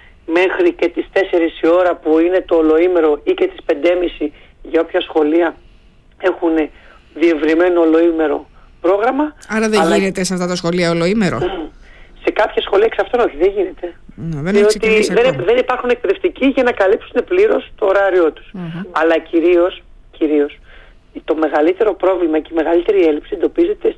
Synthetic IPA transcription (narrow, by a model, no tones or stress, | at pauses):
me̞xɾice̞t̪ist̪e̞se̞ɾisio̞ɾɐpuine̞t̪o̞ːlo̞ime̞ɾo̞ice̞t̪i̥spe̞nd̪e̞misi | ʝɐopçɐsxo̞liɐ | e̞xune̞ | ðie̞vɾime̞no̞ːlo̞ime̞ɾo̞̰pɾo̞ɣɾɐmɐɐɾɐðelʝine̞t̪eseɐft̪ɐt̪ɐsxo̞liɐolo̞imeɾo | se̞kɐpçɐsxo̞liɐksɐft̪ono̞çiðeʝine̞t̪e̞neðenðiosit̪iðenðe̞nipɐɾxune̞k̚pe̞ðe̞ft̪iciʝɐnɐkɐlipsune̞pliɾo̞st̪o̞ːɾɐɾio̞t̪u̥sɐlɐciɾio̞s | ciɾio̞s | t̪o̞me̞ɣɐlit̪e̞ɾo̞pɾo̞vlimɐce̞ime̞ɣɐlit̪e̞ɾie̞lipsiend̪o̞pize̞t̪e̞